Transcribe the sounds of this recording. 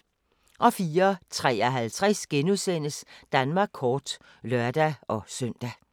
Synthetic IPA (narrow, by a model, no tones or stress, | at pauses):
ʔɒ̽fiːɐt͡sʰʁɛ̰ːɒɦælt͡sʰʁasɡ̥enuðˠsen̰əsd̥ænmɑ̈ːɡ̥̚kʰːɒːd̥ | lœɐd̥æɒ̽søn̰d̥æ